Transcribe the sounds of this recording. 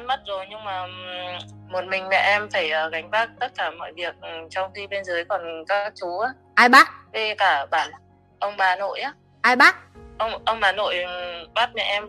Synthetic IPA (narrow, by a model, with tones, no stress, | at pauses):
n̚mə˦˥t̚zo˨˩jɲɨ˧ŋmaː˨˩ | mo˨˩t̚mï˨˩ŋ̟mɛ̰˧˨ʔɛ˧mfaː˧˩jʔəː˨˩ɣa˨˦ŋ̟ɓaː˦˥k̚t̪ə˦˥t̚kaː˧˩mɔ̰ː˧˨jvi˨˩ək̚ʔt͡ɕɔ˧wŋ͡mxi˧ɓe˧nzəː˨˦jkɔ˨˩nkaː˦˥k̚t͡ɕu˨˦ʔaː˨˦ | ʔaː˧jɓaː˦˥t̚ve˧kaː˧˩ɓaː˧˩ | ʔə˧wŋ͡mɓaː˨˩no̰˧˨jʔaː˨˦ | ʔaː˧jɓaː˦˥t̚ʔə˧wŋ͡mʔə˧wŋ͡mɓaː˨˩no̰˧˨jɓaː˦˥t̚mɛ̰˧˩ʔɛ˧m